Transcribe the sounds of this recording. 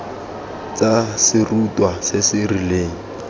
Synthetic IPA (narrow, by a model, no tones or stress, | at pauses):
t͡sasɪrutʼwasɪsɪrileːŋ̩